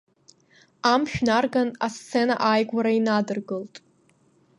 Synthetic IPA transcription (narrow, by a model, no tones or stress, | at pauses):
amʃᶣnarɡanast͡sʰe̞na̰ʔajɡʷaɾainadɨrɡɨltʼ